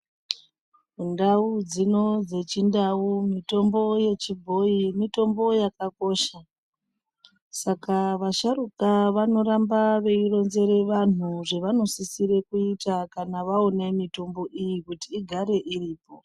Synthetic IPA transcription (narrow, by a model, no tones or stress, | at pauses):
undaud͡zino̞d͡ze̞t͡ʃindaumito̞mbo̞je̞t͡ʃibʱo̞imito̞mbo̞jakako̞ʃa | sakaʋaʃaɾukaʋano̞ɾambaʋe̞iro̞nze̞ɾe̞ʋanuʐe̞ʋano̞sisiɾe̞kuitakanaʋaone̞mito̞mbo̞ʔijikutiːɡʱaɾe̞ʔiriːpo̞